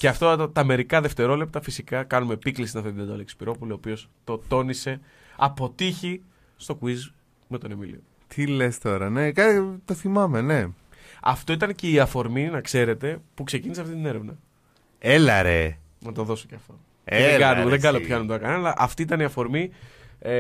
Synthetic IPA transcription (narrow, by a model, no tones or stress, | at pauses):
ce̞ɐft̪ot̪ɐme̞ɾikɐðe̞ft̪e̞ɾo̞le̞p̚t̪ɐfisikɐkɐnume̞piklist̪inɐft̪it̪ind̪oleksi̥piɾo̞pulio̞pio̞st̪o̞t̪o̞nise̞ | ɐpo̞t̪içi | st̪o̞kuiz | me̞t̪o̞ne̞mḭlḭo | t̪ʰile̞st̪o̞ɾɐnekɐt̪oθimɐme̞ne̞ɐ̰ft̪o̞it̪ɐnce̞iɐfo̞ɾminɐkse̞ɾe̞t̪e̞pukseciniseɐft̪it̪ine̞ɾe̞vnɐ | elɐɾe | nɐt̪oðo̞soceɐft̪o̞ | eɡɐnumðeɡɐnopçɐnumt̪onɐkɐnɐlɐʔɐft̪iit̪ɐniɐfo̞ɾmi